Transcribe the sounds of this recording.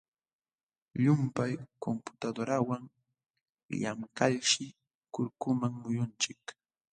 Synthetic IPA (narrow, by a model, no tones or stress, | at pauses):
ʎʊmpajkompʊ̥t̪ad̪oɾawaŋ | ja̰mkaʎʃɪ | kʊɾkʊmaŋmʊjʊnt͡ʃɪk